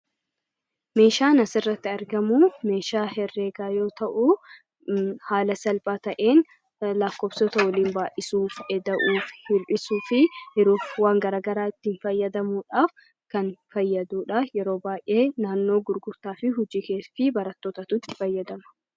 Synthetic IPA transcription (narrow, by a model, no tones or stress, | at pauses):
me̞ːʃaːnɐsɪrːɐt̪ːɪɐɾɡɐmuːme̞ːʃaːhɛrːeːɡaːjo̞ːt̪ɐʔu | haːlɐsɐlpʼaːt̪ɐʔe̞ːn | lɐkːɔːbsɔt̪ɐwɔliːnbaːʔɪsuːfɛd̪ɐʔuːfhɪlpɪsuːfɪhɪɾuːfwaːŋɡɐɾaːɡɐɾaːɪt̪ːɪɪnfɐjːɐd̪ɐmuːᶑaːf | kɐnfɐjːɐd̪uːᶑɐjɛɾo̞ːbaːjʔe̞ːnaːnːo̞ːɡʊɾɡʊɾt̪aːfɪɦʊd͡ʒiːkeːsfɪbɐɾɐt̪ːoːt̪ɐt̪ʊt̪ːɪ̥fɐjːɐd̪ɐmɐ̥